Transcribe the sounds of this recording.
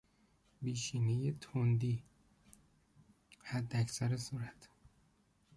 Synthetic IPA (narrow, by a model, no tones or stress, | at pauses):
biːʃiːnejet̪ʰond̪iː | hæd̪ːeæcʰsæɾesuːɾæt̪ʰ